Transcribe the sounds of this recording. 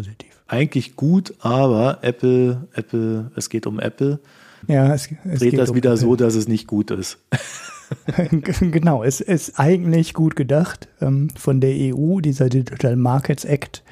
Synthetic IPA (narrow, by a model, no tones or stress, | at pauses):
poːzitʰi̥ːfʔaɪɡŋ̩tlɪçɡ̥uːtʔaːβɐʔɛpl̩ʔɛpl̩ʔɛsɡ̥eːtʊmʔɛ̰pl̩ | jaːɛsɛsʁeːɡːd̥asviːdɐzoːdas̬ɛsnɪçt̚ɡ̥uːtɪ̰st | ɡənaʊɛsɪstʔaɪɡŋ̩tlɪçɡ̥uːtɡ̥ədaχtʔɛmfɔndeːɐʔeːʔuːdiːzɐdɪd͡ʒitʰaːlmaɐkʰət͡sʔɛkt